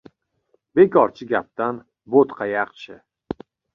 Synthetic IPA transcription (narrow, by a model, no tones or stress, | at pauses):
be̞kʰɒɾt͡ʃʰɪɡʲap̚t̪an | bot̪qʰɑjɑqt͡ʃʰɪ